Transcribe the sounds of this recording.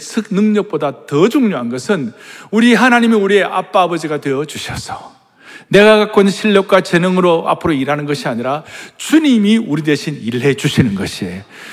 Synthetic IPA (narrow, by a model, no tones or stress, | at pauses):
sʰɯk̚nɯŋɲʌk̚p͈odatʌd͡ʑuŋɲoɦanɡʌsʰɯnuɾiɦanaɲimiuɾie̞ʔa̰p͈aːbʌd͡ʑiɡadwe̞ʌd͡ʑuɕʰʌsʰʌ | ne̞ɡaɡak͈onɕʰiʎːʌk̚k͈wat͡ɕe̞nɯŋɯɾoa̰pʰɯɾoiɾɦanɯnɡʌɕʰiaɲiɾat͡ɕuɲimiuɾidwe̞ɕʰiniɭɦe̞d͡ʑuɕʰinɯnɡʌɕʰie